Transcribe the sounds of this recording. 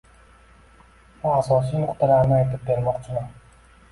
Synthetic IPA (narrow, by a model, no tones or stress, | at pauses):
mʊasɒs̬ijoqt̪ɪlaɾnɪajt̪ɪp̚be̞ɾmɒqt͡ʃʰɪman